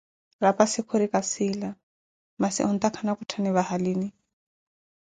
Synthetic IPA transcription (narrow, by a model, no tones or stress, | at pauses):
rapasɪkʰoɾikasɪla | masḭʔun̩t̪akʰanakutʰaniβahaliːni